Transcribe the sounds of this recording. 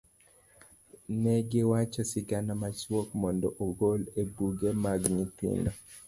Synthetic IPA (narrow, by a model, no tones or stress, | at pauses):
nɛɡɪwat͡ʃasɪɡanamat͡ʃwokmɔndɔʔoɡolebuɡemaɡɲit̪ɪ̰nɔ